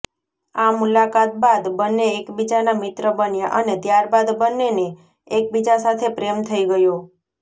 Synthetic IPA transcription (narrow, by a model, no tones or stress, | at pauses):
amulakat̪̚bad̪bənːeːkbid͡ʒanamɪt̪ɾəbənjaʔənet̪jaɾbad̪bənːeneː | k̚bid͡ʒasat̪ʰepɾemt̪ʰəiɡəjo